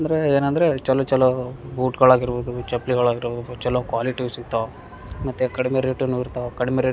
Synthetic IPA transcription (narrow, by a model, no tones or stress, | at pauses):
nd̪ɐɾeeːnɐnd̪ɐɾet͡ʃɛlːot͡ʃɛlːoːbuːʈɡɐɭaːɡiɾboːd̪ut͡ʃɐpliɡɐɭaːɡiɾboːd̪ut͡ʃɛlːoːkʋaːliʈiʋsit̪ːa | mɐt̪ːekɐɽimeɾeːʈːunuːiɾt̪akɐɽimeɾeː